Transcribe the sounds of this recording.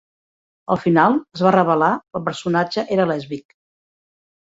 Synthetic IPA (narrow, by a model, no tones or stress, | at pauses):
əlˠfinalˠəzβarəβəlaəlˠp̬əɾsunad͡ʒəʔeɾəlɛzβik̚